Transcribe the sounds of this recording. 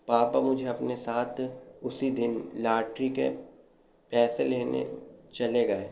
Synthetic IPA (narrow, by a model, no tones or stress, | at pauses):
paːpamʊd͡ʒʱeɐpnesaːt̪ʰʊsid̪ɪnlaːʈɾikḛ | pɛːseleːnḛt͡ʃɐleɡɐeː